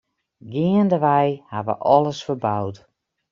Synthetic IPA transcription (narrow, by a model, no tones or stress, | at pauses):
ɡɪəndəʋɛjhaʋə̰ʔɔləsfərbawt